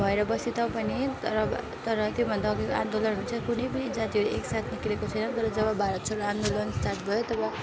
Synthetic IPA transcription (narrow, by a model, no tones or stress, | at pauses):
bʱʌeɾʌbʌsit̪aw̃pʌnit̪ʌɾʌ | t̪ʌɾʌt̪jobʱʌnd̪aʌɡeka̰nd̪olʌnɦununt͡sʰʌkunʌjpʌnid͡zat̪ioeksat̪ʰniklekot͡sʰʌjnʌt̪ʌɾʌd͡zʌbʌbʱaɾʌt̪̚t͡sʰʌɾand̪olʌnstat̪bʱʌjot̪ʌbʌ